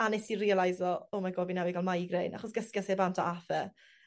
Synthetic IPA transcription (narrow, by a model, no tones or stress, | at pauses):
anɛsirialˠajzɔɔmaɡoːvinɛwɪɡalˠmajɡrejnʔa̰χɔsɡ̥əskjasebantʰɔ̰ʔafɛ